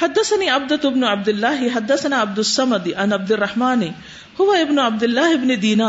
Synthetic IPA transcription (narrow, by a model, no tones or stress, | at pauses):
ħɐd̪ːɐsɐniːɐb̚d̪ɐt̪ɪbnʊʕab̚d̪ɪlːaːɦɪɦɐd̪ːɐsɐnaːɐb̚d̪ʊsːɐmɐd̪ʕanɐbd̪ɪrˤːɐħmaːnɪ | hʊʋaɪbnʊʕab̚d̪ɪlːaːɦɪbnɪd̪iːnaː